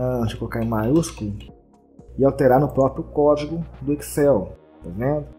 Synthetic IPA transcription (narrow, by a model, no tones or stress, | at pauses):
ɐ̃t͡ʃɪkolokaɾẽj̃majuskʊlʊ | ɪawt̪eɾaɾnʊpɾɔpɾjʊkɔd͡ʒiɡʊd̪ʊeksɛw | pavẽdʊ